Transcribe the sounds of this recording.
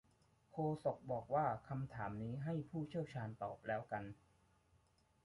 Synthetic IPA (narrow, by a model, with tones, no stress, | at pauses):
kʰoː˧so˨˩k̚bɔː˨˩k̚waː˥˩kʰa˧mt̪ʰaː˩˦mniː˦˥ɦa˥˩jpʰuː˥˩t͡ɕʰi˥˩əwt͡ɕʰaː˧nt̪ɔː˨˩p̚lɛː˦˥wka˧n